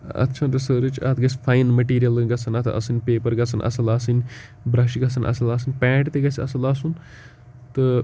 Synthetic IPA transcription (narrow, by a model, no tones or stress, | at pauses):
ɐ̰t̪ːt͡ʃʰanɾɐsəːɾɨt͡ʃɐ̰t̪ɡɐsfʰaːjnmɐʈiːɾijɐlɡɐsʰɐnɐt̪ʰɐ̰sɨnʲpeːpɐɾɡɐsʰɐnʔɐ̰sɐlaːsɨnʲ | bɾaːʃiɡɐsʰɐnʔɐ̰sɐlaːs̬ɨnʲpɛ̃ːʈt̪eɡɐsʲiɐsɐlaːsun | t̪ɨ